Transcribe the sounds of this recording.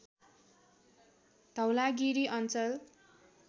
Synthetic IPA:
d̪ʱʌwlaɡiɾiʔʌnt͡sʌl

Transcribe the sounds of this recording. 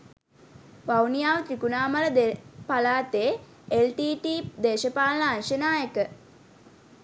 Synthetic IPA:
ʋawnijaːʋət̪ɾikunaːmaləd̪epalaːt̪eː | elʈiːʈiːd̪eːʃəpaːlnaːnʃənaːjəkə

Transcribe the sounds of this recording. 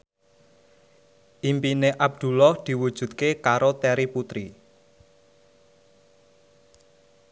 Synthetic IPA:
ʔimpineʔab̚d̪̥ṳlɔhd̪̥i̤wud̥ʒ̥ṳt̪̚kekaɾot̪ɛɾiput̪ɾi

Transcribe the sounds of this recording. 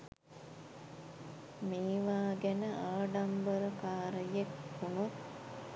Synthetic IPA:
meːʋaːɡænəʔaːɖambəɾəkaːɾəjekhunot̪

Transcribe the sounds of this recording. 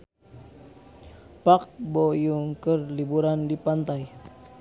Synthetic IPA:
pak̚bojuŋkərlibuɾandipant̪aj

